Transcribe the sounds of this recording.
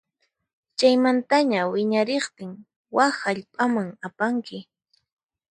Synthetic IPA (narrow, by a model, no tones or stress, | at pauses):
t͡ʃajmant̪aɲawɪɲaɾeχt̪ɪŋ | wahaʎpʼamaŋapaŋkɪ